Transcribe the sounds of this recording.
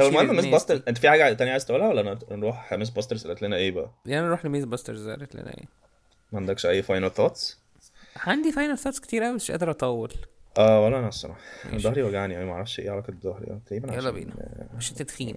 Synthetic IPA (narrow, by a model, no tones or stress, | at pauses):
t̪ɑbmæʔænt̪æmesbɑst̪eɾzʔent̪æfiħaːɡæt̪ænjaʕajezt̪ʔuːlhæwælːæʔænænɾuːħxæmes̬bɑst̪eɾzʔelːæt̪lenæʔeːbæʔælʔænænɾuːħnemeːzbɑst̪eɾzɑ̰ɾet̪lḛnæ̰ʔḛː | mæʕand̪ækʃʔæjːfɑjnɑlθɑt̪s | ʕand̪ifɑjnælθɑːt̪ske̥t̪iːɾʔæwiæe̥ʃʔæ̰d̪eɾʔɑt̪ˤɑwːelʔæːwælːæʔænæsːæ̰maħd̪ɑhɾiwæɡaʕniʔæimæʔaʕɾˤɑfʃʔḛːʕalɑk̪d̪ˤːɑhɾḭʔæ̰nt̪ˤɑɾiːbænʕælːɑbḭnmeʃt̪ed̪xiːn